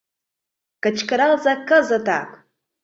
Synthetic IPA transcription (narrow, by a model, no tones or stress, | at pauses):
kat͡ʃʰkʰaɾalzakːazatʰʼa̰kʼ